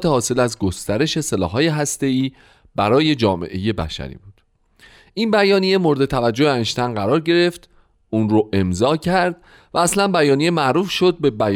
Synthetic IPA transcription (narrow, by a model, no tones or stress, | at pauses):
t̪ʰehɒːse̞læzɡo̞st̪æɾe̞ʃe̞se̞lɒ̰ːhɦɒːje̞ɦæst̪e̞iː | b̥æɾɒːje̞d͡ʒɒːme̞̰ʔe̞je̞bæ̰ʃæ̰ɾḭːbuːd̪̥ | ʔinbæjɒːnije̞mo̞ɾed̪e̞t̪ʰævæd͡ʒːoheænʃt̪ʰænɢæɾɒːɾɟe̞ɾe̞ft̪ | unɾoʔe̞mzɒːcʰæɾd̪ | væːslænbæjɒːnije̞mæʔɾuːfʃo̞d̪̚be̞bæj